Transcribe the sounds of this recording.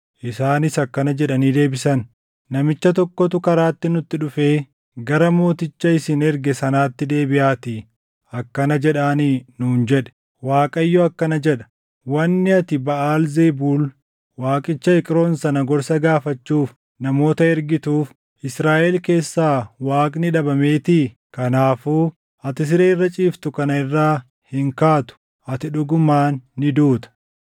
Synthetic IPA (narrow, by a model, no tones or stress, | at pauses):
ʔɪsaːnɪsɐkːɐnɐd͡ʒɛᶑɐniːd̪e̞ːbɪsɐnː | ɐmɪt͡ʃːɐt̪̬ɔkːɔt̪ʊkɐɾaːt̪ːɪnʊt̪ːɪᶑʊfeː | ɡɐɾɐmo̞ːt̪ɪt͡ʃːɐɪsɪnɛɾɡɛsɐnaːt̪ːɪd̪e̞ːbɪʔaːt̪ɪ | ɐkːɐnɐd͡ʒɛᶑaːninuːnd͡ʒɛᶑɛ̥ | waːkʼɐjːɔɐkːɐnɐd͡ʒɛᶑɐ̥ | wɐnːɪɐt̪ɪbɐʔaːlzebuːl | waːkʼɪt͡ʃːɐɪkʼɾo̞ːnsɐnɐɡɔɾsɐɡaːfɐt͡ʃːuːf | nɐmo̞ːt̪ɐɛɾɡɪt̪uːf | ɪsɾaːʔɛlke̞ːsːaːwaːkʼnɪᶑɐbɐme̞ːt̪ɪ | kɐnaːfuː | ɐt̪ɪs̬ɪɾeːɪrːɐt͡ʃʼiːft̪ʊkɐnɐɪrːaː | hɪŋkaːt̪ʊ̥ | ʔɐt̪ɪᶑʊɡʊmaːnːɪd̪uːt̪ɐ̥